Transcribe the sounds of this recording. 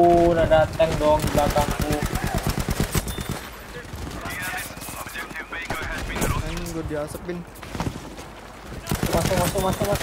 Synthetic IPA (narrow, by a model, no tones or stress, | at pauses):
nadat̪ɛŋdɔŋibakaku | anɡodiasəpɪn | asumasʊmasumasukma